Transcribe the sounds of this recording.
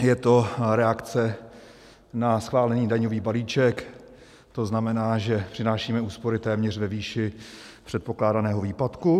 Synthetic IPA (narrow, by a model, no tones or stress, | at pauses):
jɛt̪o̞ɾɛakt͡sɛ | nasxvaːlɛɲiːdaɲoviːbaliːt͡ʃɛk | t̪o̞znamɛnaːʒɛpr̝̥ɪnaːʃiːmɛuːspo̞ɾɪt̪ɛːmɲɛr̝vɛviːʃɪpr̥ɛt̪̚po̞klaːdanɛːɦo̞viːpat̪ku